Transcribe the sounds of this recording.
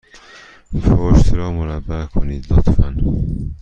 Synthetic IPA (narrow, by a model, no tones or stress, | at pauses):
foʃt̪ɾɒːmoɾæbːækʰoniːd̪lot̪ʰfæn